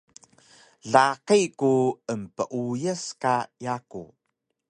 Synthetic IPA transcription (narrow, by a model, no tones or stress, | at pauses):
ɮaqikuəmpəʔujəskajakṵ